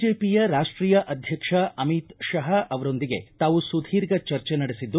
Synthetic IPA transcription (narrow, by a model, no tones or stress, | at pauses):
d͡ʒeːpijɐɾaːʂʈɾiːjɐʔɐd̪ʱjɐkʂɐʔɐmit̪ʃɐɦɐʔɐʋɐɾo̞nd̪iɡe̞̰t̪aːʋusud̪ʱiːɾɡɐt͡ʃɐɾt͡ʃenɐɽesid̪ːu